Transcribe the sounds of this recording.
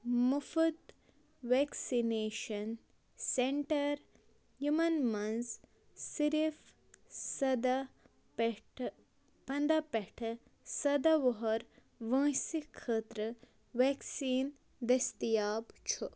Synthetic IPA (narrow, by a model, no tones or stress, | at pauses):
mufud̪ | ʋeksineːʃɐn | seɳʈɐɾ | jumɐnmɐns | siɾif | sɐd̪ɐ | pʈ | pɐnd̪ɐpeʈʰɐ | sɐd̪ɐʋɔɦɐɾ | ʋɐ̃ːsikʰːəːt̪ɾɐ | ʋeːksiːn | d̪ɐst̪ijaːbt͡ʃʰu